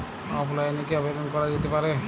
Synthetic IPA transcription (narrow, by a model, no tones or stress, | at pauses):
ɔplaenekeɔbed̪ɔnkɔɾad͡ʒet̪epaɾe